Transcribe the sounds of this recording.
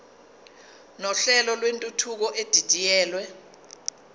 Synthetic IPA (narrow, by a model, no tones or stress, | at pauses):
nɔɬɛlɔlwentʼutʰuk̬ɔʔed̥ʱid̥ʼʱijɛːlwɛ